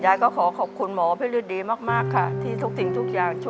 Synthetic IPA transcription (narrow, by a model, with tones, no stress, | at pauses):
zaː˧˨˦jkɔ˨˦xɔ˨˩˦xa˨˩k͡p̚xu˨˩ənmɔ˨˦fe˨˦li˧ənɗi˨˦ma˦˥t̚maː˦˥kaː˧˩t̪ʰi˨˧˩t̪ʰu˧˩˦t̪i˨˦ŋt̪ʰu˨˩k̚zaː˨˩ŋt͡ɕu˧˦